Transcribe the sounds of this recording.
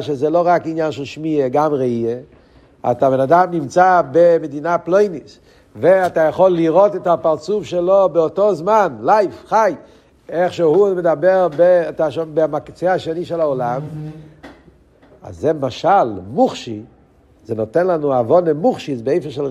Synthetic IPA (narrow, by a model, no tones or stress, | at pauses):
ʃezɛloʁakinjanʃelʃmieɡamʁeie | a̰t̪abenadamnimt͡sabemed̪inaplojnis | veatajaχolːiʁotɛtapaʁt͡sufʃelobeotozmanlajfχaj | eχʃehumedabeʁbetaʃobemakt͡seaʃeniʃɛlaolam | a̰zːɛmaʃalmuχʃi | zɛnotɛnlanuavonemuχʃisbeejfeʃel